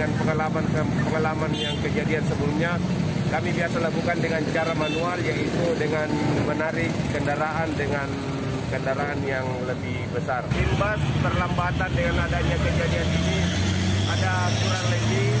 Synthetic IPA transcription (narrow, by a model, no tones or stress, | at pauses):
anpəŋalamannpəŋalamanjaŋkəd͡ʒadiansəbəlumɲa | kamibiasalakukandəŋant͡ʃaɾamanualjaʔit̪udəŋanmənaɾɪkːəndəɾaʔandəŋan | kəndaɾaanjaŋləbɪhbəsartimbaspərlambat̪andəŋanadaɲad͡ʒkəd͡ʒadianidiadakulat̪ləɡi